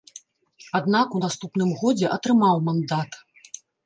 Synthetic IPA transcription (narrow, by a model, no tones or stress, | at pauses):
ad̪nakunast̪upnɨmɣɔd͡zʲɛʔɐt̪ɾɨmawmand̪at̪